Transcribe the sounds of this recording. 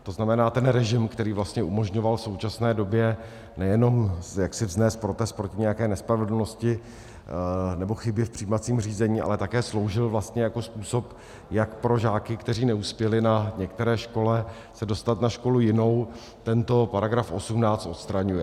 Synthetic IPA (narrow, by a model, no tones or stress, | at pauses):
t̪o̞znamɛnaːt̪ɛnɾɛʒɪmkt̪ɛɾiːvlast̪ɲɛʔumo̞ʒɲo̞valfso̞wt͡ʃasnɛːdo̞bjɛ | nɛjɛno̞mjaksɪvznɛːst̪̚pɾo̞t̪ɛst̪̚pɾo̞cɪɲɛjakɛːnɛspɾavɛdl̩noscɪ | nɛbo̞xɪbjɪfpr̝̥iːmat͡siːmr̝iːzɛɲiːʔa̰lɛt̪akɛːslo̞wʒɪlvlast̪ɲɛjako̞spuːso̞p | jakpɾo̞ʒaːkɪkt̪ɛɾ̝iːnɛuːspjɛlɪnaɲɛkt̪ɛɾɛːʃko̞lɛ | sɛdo̞st̪at̪naʃko̞lujɪno̞w | t̪ɛnt̪o̞paɾaɡɾafʔo̞sumnaːt͡st̪o̞t̪st̪ɾaɲujɛ